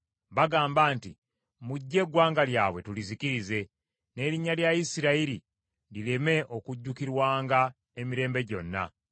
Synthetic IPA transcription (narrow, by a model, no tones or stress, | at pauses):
βaɡaːmbaːnti | muɟːe̞ɡwaːŋɡaljaːwe̞tulizikiɾize̞ | ne̞ːɾiɲːaljaisiɾaiɾi | lile̞me̞ʔo̞kuɟːukiɾwaːŋɡa | e̞miɾe̞ːmbe̞ɟo̞nːa̰